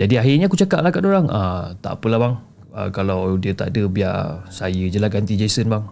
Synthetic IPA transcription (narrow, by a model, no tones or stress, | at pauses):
d͡ʒadiaɦirɲakut͡ʃakaʔlahkadoɾaŋʔət̪a̰pəlahbaŋ | ə̰kalawdiət̪a̰ʔdəbia̰rsajəd͡ʒəlaɡant̪id͡ʒesənbaŋ